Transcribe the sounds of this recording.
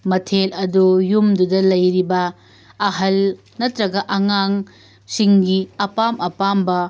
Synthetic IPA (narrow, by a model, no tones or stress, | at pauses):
mɐtʰelɐdujumdudɐlɐjɾibɐː | ɦɐl | nɐtɾɐɡɐʔɐŋaŋ | siŋɡiɐpamɐpambɐ